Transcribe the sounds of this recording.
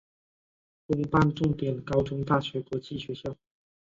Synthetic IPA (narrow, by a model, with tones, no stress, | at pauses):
kʊ˧˥ŋpa˥˧nʈ͡ʂʊ˥˩ŋt̪jɛ˨˩nkɑ˥ʊʈ͡ʂʊ˧˥ŋt̪a˥˩ɕɥɛ˧˥kwɔ˧˥t͡ɕi˥˩ɕɥɛ˧˥ɕjɑ˥˩ʊ